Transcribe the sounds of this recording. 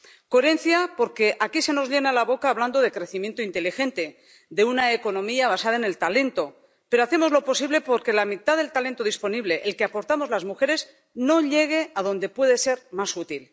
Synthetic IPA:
koeɾe̞nθjapo̞ɾke̞ʔakise̞no̞zʎe̞nalaβo̞kaːβland̪oð̞e̞kɾe̞θimje̞nt̪oint̪e̞lixe̞nt̪e̞ | d̪e̞unaeko̞nõ̞miaβ̞asað̞aene̞lt̪ale̞nt̪o̞ | pe̞ɾoaθe̞mo̞zlo̞po̞siβle̞po̞ɾke̞lamit̪aðe̞lt̪ale̞nt̪o̞ðispo̞niβle̞ʔelkeapo̞ɾt̪amo̞zlazmuxe̞ɾe̞z | no̞ʎe̞ɣ̞e̞að̞õ̞nd̪e̞pwe̞ðe̞se̞ɾmasut̪il

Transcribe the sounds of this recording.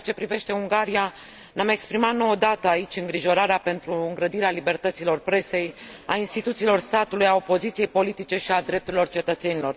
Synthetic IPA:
t͡ʃe̞pɾive̞ʃt̪e̞uŋɡaɾia | name̞kspɾimat̪no̞od̪at̪əait͡ʃʲɨŋɡɾiʒo̞ɾaɾeape̞nt̪ɾuɨŋɡɾəd̪iɾealibe̞rt̪ət̪silo̞rpɾe̞se̞ja̰inst̪it̪ut̪silo̞rst̪at̪ulujao̞po̞zit̪sije̞jpo̞lit̪it͡ʃe̞ʃiad̪ɾe̞p̚t̪uɾilort͡ʃe̞t̪ət̪se̞nilo̞r

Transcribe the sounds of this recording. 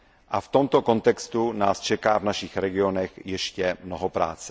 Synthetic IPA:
ʔaft̪o̞mt̪oko̞nt̪ɛkst̪unaːst͡ʃɛkaːvnaʃixɾɛɡɪonɛxjɛʃcɛmnoɦopɾa̰ːt͡sɛ

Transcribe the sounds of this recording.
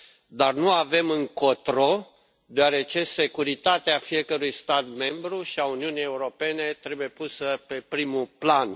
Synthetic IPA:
d̪arnuave̞mɨŋkot̪ɾo̞ | d̪oaɾe̞t͡ʃe̞se̞kuɾit̪at̪eafije̞kəɾujst̪at̪me̞mbɾuʃiauniunije̞uɾo̞pe̞ne̞t̪ɾe̞buje̞pusəpe̞pɾimuplan

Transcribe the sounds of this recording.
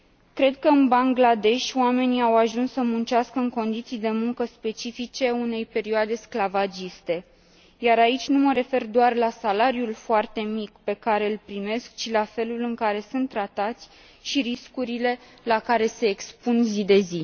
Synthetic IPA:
kɾe̞d̪̚kəɨnbaŋɡlad̪e̞ʃʲoame̞niawaʒunsːəmunt͡ʃaskəɨŋko̞nd̪it̪sijd̪e̞muŋkəspe̞t͡ʃifit͡ʃe̞une̞jpe̞ɾioad̪e̞sklavad͡ʒist̪e̞ | jaɾait͡ʃʲnuməɾe̞fe̞rd̪oarlasalaɾijulfoart̪e̞mikpe̞kaɾe̞ɨlpɾime̞skt͡ʃilafe̞lulɨŋkaɾe̞sunt̪ːɾat̪at̪sʲ | ʃiɾiskuɾile̞ | lakaɾe̞se̞ːkspunzid̪e̞zi

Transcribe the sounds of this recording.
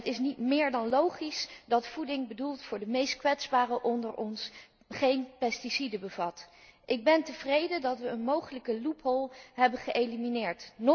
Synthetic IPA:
ətɪsnitmɪːɹdɑnlowχisdɑtfudɪŋbədulˠtfʊːɹdəmejstkʋɛtzbaːrəʔɔndəɹʔɔns | χejnpɛstisidəbəv̥ɑtʔɪɡ̚bɛntəvrejdədɑtʋəːnmowχələkəlupɦɔlˠɦɛbənχəʔejliminɪːɹtn

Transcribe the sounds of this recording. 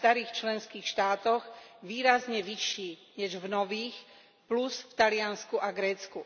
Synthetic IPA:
t̪aɾiːxt͡ʃlɛnskiːxʃt̪aːt̪ɔɣʋiːɾazɲɛʋiʃiːɲɛʒvnɔʋiːx | plusft̪alɪanskuʔaɡɾɛːt͡sku

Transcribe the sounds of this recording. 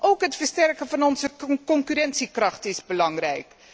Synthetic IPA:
ʔowkɦətfəɹstɛrkəvɑnɔnzəkɔŋkyɾɛnsikrɑχtɪzbəlɑŋrɛjk

